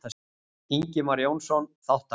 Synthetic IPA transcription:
a | iɲcɪmaɾjownsɔnθawht̪a

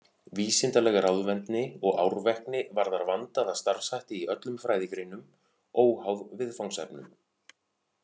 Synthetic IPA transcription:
viːsɪnt̪alɛɣaɾawðvɛnt̪nɪɔɣawɾvɛhknɪvaɾðaɾvant̪aðaðst̪aɾ̥sajht̪ɪiʔœt̪lʏmfɾaːjðɪkɾeːnʏm | oːwhawðvɪðfawŋsɛ̰pnʏ̰m

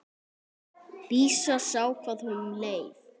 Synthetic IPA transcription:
piːsasaːwkʰvað̥hʏnʏmleːjv

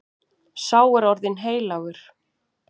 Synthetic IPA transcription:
saːwɛɾɔɾðɪnɦeːjlaɣʏɾ̥

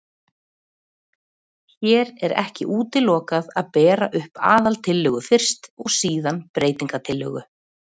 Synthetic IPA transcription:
çɛːɾɛɾɛ̰hcɪ̰ʔuːt̪ɪlːɔːkaðaðpɛːɾaʔʏhpa̰ːðalt̪ʰɪlːœɣʏfɪr̥st̪ɔɣsiːðanpɾeːjt̪iŋkat̪ʰɪlːœ̰ɣʏ

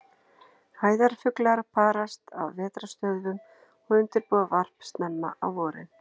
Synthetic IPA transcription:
haːjðaɾ̥fʏklaɾpʰaːɾast̪a̰wvɛːt̪ɾast̪œðvʏm | ɔɣʏnt̪ɪɾpuːðavar̥pst̪namːa̰ʔawvɔːɾɪ̰

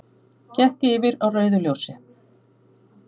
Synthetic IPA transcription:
cɛhcɪɪːvɪɾawrœːɥðʏljowsɪ

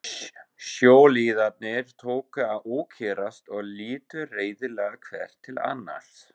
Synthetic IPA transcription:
sjoːwliːðat̪̚nɪɾ̥t̪ʰoːwkʏaðuːcʰɛɾast̪ɔɣliːt̪ʏreːjðɪlɛɣakʰv̥ɛ̰r̥t̪ʰːɪla̰nːa̰l̥s

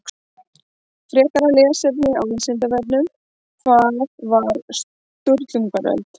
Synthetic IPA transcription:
fɾɛːkaɾalɛːɣasɛpnɪa̰winsɪnt̪avɛp̪nʏm | faðvaɾs | t̪uɾt̪lʏŋkaɾɛ̰lt̪

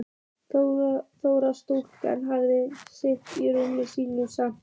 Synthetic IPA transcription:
θθowɾast̪owl̥ka̰nɦavðɪseht̪iɾʏmːɪsiːnusa

